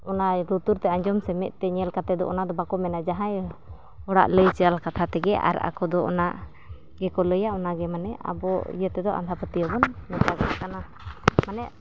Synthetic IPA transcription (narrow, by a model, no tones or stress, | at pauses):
ɔnaɾut̪uɾt̪ɛaɲd͡ʒɔmsɛmɛʔ̚t̪ɛɲɛlkat̪ɛd̪ɔ̰ʔɔ̰nad̪ɔbakɔmɛnad͡ʒaɦãj | ɔɽa̰ʔləjt͡ʃɛalkat̪ʰat̪ɛɡɛʔa̰ɾa̰kɔd̪ɔʔɔ̰naʔ | ɡɛkɔləjaɔnaɡɛmanɛa̰bɔḭjət̪ɛd̪ɔʔa̰nd̪ʱapət̪ijɔbɔnmɛt̪aɡanakana | manɛʔ